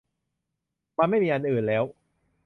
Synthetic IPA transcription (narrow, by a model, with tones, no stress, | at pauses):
maː˧ma˥˩jmiː˧ʔa˧nʔɯː˨˩nlɛː˦˥w